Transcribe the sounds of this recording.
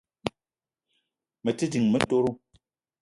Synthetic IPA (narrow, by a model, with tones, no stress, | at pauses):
mə˨ti˦di˨ŋmə˨˦to˦ɾo˦